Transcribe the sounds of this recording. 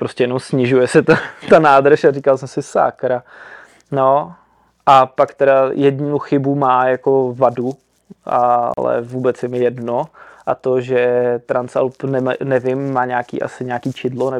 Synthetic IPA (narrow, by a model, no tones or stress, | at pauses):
pɾostcɛjɛnomsɲɪʒujɛsɛt̪at̪anaːd̪rʃarikalsɛmsɪsa̰ːkɾa | no | ʔapakt̪ɛɾajɛdnuxɪbumaːjakovadu | ʔa̰lɛ̰vuːbɛt͡sjɛmɪjɛdnoʔat̪oʒɛt̪ɾant͡sa̰lpnɛmanɛvɪmːaːɲaːkḭːʔa̰sɪɲaːkiːt͡ʃɪdlonɛ